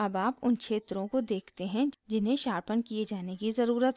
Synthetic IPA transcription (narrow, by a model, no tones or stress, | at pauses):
ɐbaːpʊnkʃʰeːt̪ɾõkod̪eːkʰt̪eɦɛ̃d͡ʒɪnɦẽʃaːɾpənkied͡ʒaːnekizɐɾuːɾət̪